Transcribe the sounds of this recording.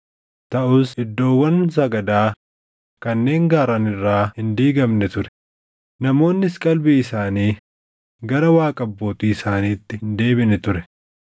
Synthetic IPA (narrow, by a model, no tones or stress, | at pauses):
t̪ɐʔʊsɪd̪ːo̞ːwːɐns̬ɐɡɐd̪aː | kɐnːe̞ːŋɡaːɾɐnɪrːaːhɪnd̪iːɡɐmnɛt̪ʊɾɛ̥ | nɐmo̞ːnːɪskʼɐlbiɪsaːniː | ɡɐɾɐwaːkʼɐbːo̞ːt̪iːɪsaːniːt̪ːɪnd̪e̞ːbɪnɛt̪ʊɾɛ